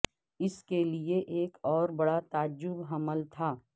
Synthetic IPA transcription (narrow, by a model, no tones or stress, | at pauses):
ɪskelieʔeːkɔːɾbɐɽat̪aːd͡ʒʊbɦɐməlt̪ʰaː